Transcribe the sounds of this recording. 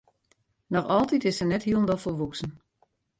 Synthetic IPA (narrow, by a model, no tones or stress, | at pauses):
nɔxɔlˠtitɪsənɛthiəlˠəndɔfɔlʋuksn̩